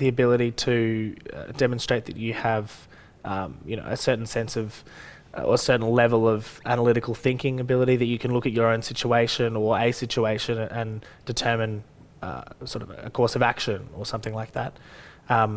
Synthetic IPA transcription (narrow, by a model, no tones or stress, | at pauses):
ðiɨbɪlˠəɾiɾɨʌ̰d̥ɛmə̃n̩stɹ̥eɪt̪̚ðɨ̰t͡ʃɨəv̥ | ʔʌ̃mjɨñoʊɨsɜ˞ʔn̩sɛ̃nsʌv̥ | ʌə̰əsɜ˞ʔn̩lɛvl̩ˠʌvænəlɪɾɨkl̩ˠθɪ̃ŋkɪ̃ŋɨbɪlˠəɾiðɨt͡ʃɨkʰɨ̃nlʊkɨt͡ʃə˞õʊ̃nsɪt͡ʃueɪʃɨ̃nə˞eɪsɪt͡ʃueɪʃɨ̃nɨ̃nd̥ɨtʰɜ˞mɨ̃n | ʌ̰sɔɹɾʌvɨ̰kʰɔɹsʌvækʃɨ̃nə˞sʌ̃mθɪ̃ŋlaɪk̚ðæt̚ʌ̃m